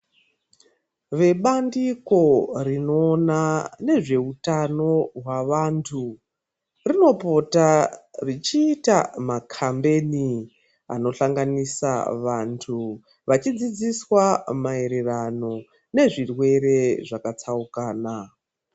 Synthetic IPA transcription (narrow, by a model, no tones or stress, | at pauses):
ʋe̞ɓandiko̞rino̞ːnane̞ʐe̞utano̞ɦwaʋantʰu | rino̞po̞tarit͡ʃiːtamakʰambeni | a̰no̞ɬaŋɡanisa̰ʋantʰu | ʋat͡ʃid͡zid͡ziswamae̞ɾe̞rano̞ | ne̞ʐirwe̞ɾe̞ʐakat͡saukaːna